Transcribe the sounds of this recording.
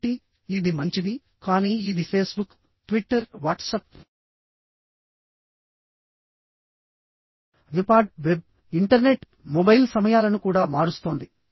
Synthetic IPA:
ʈiː | d̪imɐɲt͡ʃid̪i | kaːniːid̪ipʰe̞ːsbuk | ʈʋiʈːɐɾʋaːʈsɐp̚ | ʋipaːʈ̚ʋeb̚ | iɳʈɐɾne̞ʈ | mobɐjlsɐmɐjaːlɐnukuːɽaːmaːɽust̪oːnd̪i

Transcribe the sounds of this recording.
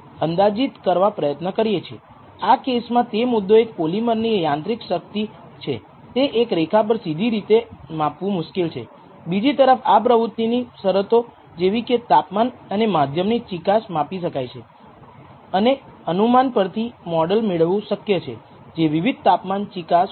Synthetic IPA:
ənd̪ad͡ʒit̪kəɾʋapɾəjət̪nəkəɾijet͡ʃʰḛ | akesmãt̪emʊd̪ːoek̚poliməɾnijãnt̪ɾikʃək̚t̪i | t͡ʃʰḛ | t̪eʔekɾekʰap̬əɾsid̪ʱiɾit̪emapʋũmʊʃkilt͡ʃʰḛ | bid͡ʒit̪əɾəfap̬ɾəʋut̪ːinisəɾət̪o | d͡ʒeʋiket̪apmanənemad̪ʱjəmnit͡ʃikasmapiʃəkajt͡ʃʰe | əneənumanpəɾt̪ʰimɔɖəlmeɭʋũʃəkjət͡ʃʰḛ | d͡ʒeʋiʋid̪̚t̪apmant͡ʃikas

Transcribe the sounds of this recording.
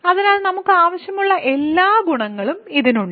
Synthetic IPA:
ɐðinaːlnɐmukːɨaːʋɐɕjɐmuɭːɐʔe̞lːaːɡuɳɐŋːɐɭumiðinuɳɖɨ

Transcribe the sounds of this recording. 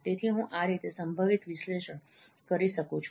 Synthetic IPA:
t̪et̪ʰiɦũʔaɾit̪esəmbʱəʋit̪ʋɪʃleʃəɳ | kəɾiʃəkũt͡ʃʰ

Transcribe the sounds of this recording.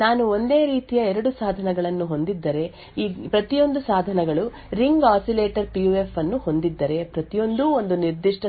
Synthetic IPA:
naːnuo̞nd̪e̞ːɾiːt̪ijɐɛɾɐɽusaːd̪ʱɐnɐɡɐɭɐnːuɦo̞nd̪id̪ːɐɾe̞ | iːpɾɐt̪ijo̞nd̪usaːd̪ʱɐnɐɡɐɭu | ɾiŋɡaːsileːʈɐɾpijue̞fɐnːuho̞nd̪id̪ːɐɾe̞pɾɐt̪ijo̞nd̪uo̞nd̪uniɾd̪iʂʈɐ

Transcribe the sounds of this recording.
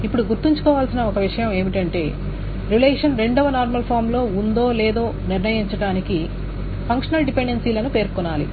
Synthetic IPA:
ipːuɽuɡuɾt̪iɲt͡ʃu̥kɔːʋaːlsinɐɔkɐʋiʂɐjɐme̞ːmiʈɐɳʈe̞ː | ɾileːʂɐnɾe̞ɳɖɐʋɐnaːɾmɐlpʰaːɾmlo̞ːund̪o̞ːleːd̪o̞ːniɾnɐjiɲt͡ʃɐɽaːniki | pʰɐŋkʂɐnɐlɖipe̞ɳɖensiːlɐnupe̞ːɾkɔnːaːlḭ

